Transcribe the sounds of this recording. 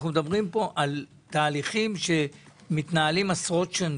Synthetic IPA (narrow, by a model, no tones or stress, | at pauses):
χnumd̪abʁimpo̞ʔal | t̪aːliχimʃe̞mit̪naːlimasʁo̞tʃen